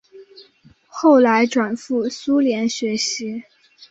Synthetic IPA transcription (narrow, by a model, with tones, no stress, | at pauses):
xo˥˩ʊla˧˥ɪʈ͡ʂwa˨˩nfu˥˩su˥ljɛ˧˥nɕɥɛ˧˥ɕi˧˥